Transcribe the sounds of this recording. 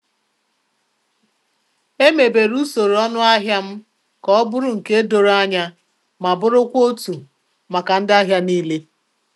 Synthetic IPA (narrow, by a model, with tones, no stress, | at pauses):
e˦me˨be˨ɾu˦so˨ɾɔ˦nʊ˦a˦ɦja˦m̩˦ | kɔ˦bʊ˦ɾʊ˨ŋ̩˨ke˦do˨ɾa˦ɲa˦ | ma˨bʊ˦ɾʊ˦kʷo˦tu˨ | ma˨ka˨n̩˦dɪ˦a˦ɦja˦niː˦le˦